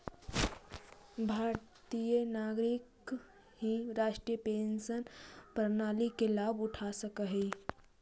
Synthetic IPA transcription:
bʱaɾt̪ijənaɡɾik | ɦiɾaʃʈɾijəpensənpəɾnalikelabuʈʰasəkəɦɛi

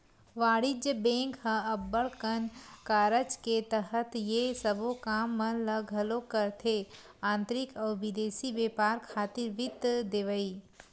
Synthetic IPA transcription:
ʋaːɽɪd͡ʒjəbẽːŋkɦə̃ɐbːəɭkənkaːɾət͡ʃket̪əɦət̪jesɐbokaːmːə̃ləɡʱɐlokəɾt̪ʰe | ãːnt̪ɾɪkɔːɾʋɪd̪eːsiʋeːpaːɾkʰaːt̪ɪɾʋɪt̪ːd̪eːʋəiː

